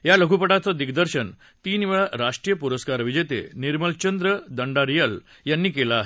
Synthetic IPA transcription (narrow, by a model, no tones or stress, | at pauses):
jaləkɡupəʈat͡səd̪iɡd̪əɾɕən | t̪iːnʋeɭaɾaʂʈɾijəpuɾəskaɾʋid͡ʑet̪ḛniɾməlt͡ɕənd̪ɾəd̪əɳɖaɾijəl | janːiːkelaːɦe